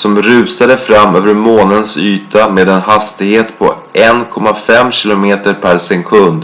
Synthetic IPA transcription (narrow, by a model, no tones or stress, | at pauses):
sɔmɾʉ̟ːsad̪əfɾamːøːvəɾmoːnənsyːt̪ameːd̪ɛnɦast̪ɪɡheːt̪pʰɔ̰ | ʔɛnkʰɔmːafɛmːɕɪlʊmeːt̪əɾpʰæɾsɛŋkʰɵnd̪